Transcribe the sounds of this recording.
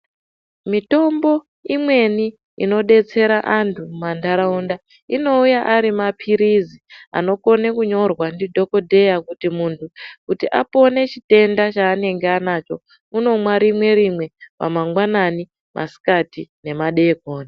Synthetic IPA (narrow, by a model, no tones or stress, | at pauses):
mito̞mbo̞ | imwe̞ni | ino̞ɗe̞t͡se̞ɾaʔantʰumandaɾaunda | ino̞ujaʔaɾimapʰiɾizia̰no̞ko̞ne̞kuɲo̞rwandidʱo̞ko̞dʱe̞jakutimuːntʰukutiʔapo̞ne̞t͡ʃite̞ndat͡ʃaːne̞ŋɡeanat͡ʃo̞̰ | uno̞mwaɾimwe̞ɾimwe̞pa̰maŋɡwanani | mʔa̰si̥katine̞maɗe̞ːkoːna